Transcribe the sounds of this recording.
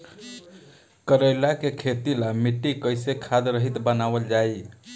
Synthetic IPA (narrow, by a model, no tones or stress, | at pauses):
kəɾəjlakekʰet̪ilamiʈːikəjsekʰad̪ɾəɦit̪bənabəld͡ʒaj